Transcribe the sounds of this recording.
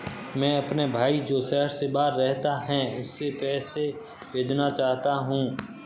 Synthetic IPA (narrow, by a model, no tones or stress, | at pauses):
mɛ̃ːɐpnebʱaːid͡ʒoːsɛɦəɾsebaːɾɾɛɦt̪aɦɛ̃ʊsːepɛːse | beːd͡ʒnat͡ʃaːɦt̪aɦũː